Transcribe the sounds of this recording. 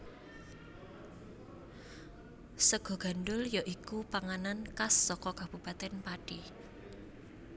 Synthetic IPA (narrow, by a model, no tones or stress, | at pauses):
səɡ̥ɔ̤ɡ̥a̤nɖʊljɔʔikupaŋanankasːɔkɔkab̥ṳb̥a̤t̪ɛnpaɖ̥i